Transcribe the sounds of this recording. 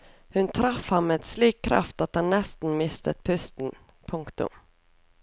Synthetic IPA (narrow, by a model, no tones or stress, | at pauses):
hɵnt̪ʰɾafhanːəɛt̪sliːkʰːɾa̰ft̪at̪hanːɛst̪ənmɪst̪ət̪̚pʰɵst̪ən | pʰɵŋkt̪ɵ̰m